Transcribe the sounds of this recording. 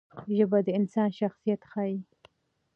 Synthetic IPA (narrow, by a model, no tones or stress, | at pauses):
ʒəbad̪əɪnsɑnʃaxsijat̪xɑi